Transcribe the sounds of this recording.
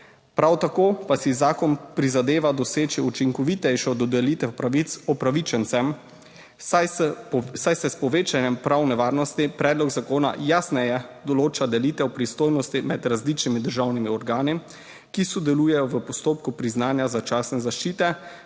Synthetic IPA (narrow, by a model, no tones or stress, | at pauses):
pɾawt̪akoːpasizaːkɔnpɾizad̪eːʋad̪ɔseːt͡ʃiut͡ʃiŋkɔʋiːt̪ɛjʃɔd̪ɔd̪ɛlit̪ɛpɾait̪sɔpɾaʋit͡ʃɛnt̪sɛm | sajsɛspɔʋeːt͡ʃanjɛmpɾawnɛʋaːɾnɔst̪ipɾɛːd̪lɔɡzakoːna̰jaːsnɛjɛd̪ɔloːt͡ʃad̪ɛliːt̪ɛwpɾist̪oːjnɔst̪imɛd̪ɾazlit͡ʃnimid̪əɾʒawnimiɔɾɡaːni | kisɔd̪ɛluːjɛjɔʋəpɔst̪oːpkupɾiznaːnjazat͡ʃaːsnɛzaʃt͡ʃiːt̪ɛ